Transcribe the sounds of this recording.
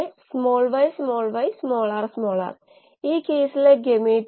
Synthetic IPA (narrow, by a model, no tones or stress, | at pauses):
smoːlʋɐjsmoːlʋɐjsmoːlaɾsmɔːla̰ɾ | iːkeːsleɡemiːʈ